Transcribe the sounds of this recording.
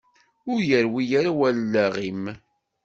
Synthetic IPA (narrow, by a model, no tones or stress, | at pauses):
ʊɾjəɾwijaɾawællːæʁim